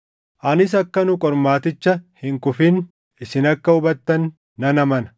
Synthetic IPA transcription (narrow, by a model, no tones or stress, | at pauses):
ʔɐnɪs̬ɐkːɐnʊkʼɔɾmaːt̪ɪt͡ʃːɐhɪŋkʊfɪn | ʔɪsɪnɐkːɐʊbɐt̪ːɐnː | ɐnɐmɐnɐ̥